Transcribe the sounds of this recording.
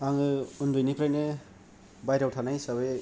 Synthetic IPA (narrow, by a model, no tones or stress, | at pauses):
aŋɯundujnipɾajne | bajɾawtʰanajsaβe